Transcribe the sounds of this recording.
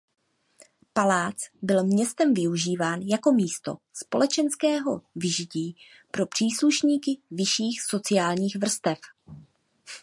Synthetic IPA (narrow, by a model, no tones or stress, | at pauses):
palaːt͡sbɪlmɲɛst̪ɛmvɪuʒiːvaːnjako̞miːst̪o̞̰ | spo̞lɛt͡ʃɛnskɛːɦo̞vɪʒɪciː | pɾo̞pr̝̥iːsluʃɲiːkɪvɪʃiːxso̞t͡sɪjaːlɲiːxvr̩st̪ɛf